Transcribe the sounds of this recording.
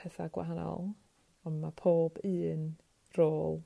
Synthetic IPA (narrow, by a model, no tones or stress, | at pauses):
ɛθaɡwa̰ɦanɔ̰lˠ | ɔnmapʰoːbɨːn | roːlˠ